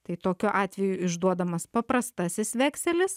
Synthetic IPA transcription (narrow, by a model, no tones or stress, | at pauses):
t̪ɐɪt̪oːkʲoːʔɑːt̪ʲʋʲɛjʊɪʒd̪uɔd̪ɐmɐspɐpɾɐst̪ɐsʲɪsʋʲɛːksʲɛlʲɪs